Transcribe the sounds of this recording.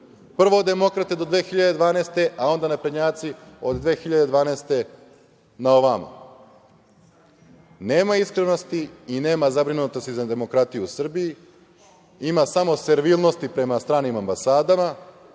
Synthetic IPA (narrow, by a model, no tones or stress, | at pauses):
pr̩ʋo̞od̪e̞mo̞kɾat̪ed̪o̞d̪ʋe̞ːxiʎad̪ed̪ʋaːnest̪e̞ʔao̞nd̪anapɾed̪ɲaːt̪sio̞d̪d̪ʋe̞ːxiʎad̪e̞d̪ʋaːnest̪e̞ | nao̞ʋamṵ | ne̞ːmaiskɾeno̞st̪iine̞ːmazabɾinut̪ost̪izad̪e̞mo̞kɾat̪ijuusr̩biji | imasamo̞se̞ɾʋilˠno̞st̪ipɾe̞mast̪ɾaːnimambasaːd̪ama